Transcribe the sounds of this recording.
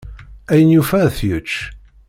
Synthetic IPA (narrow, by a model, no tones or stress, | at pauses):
æjənjufæθjət͡ʃː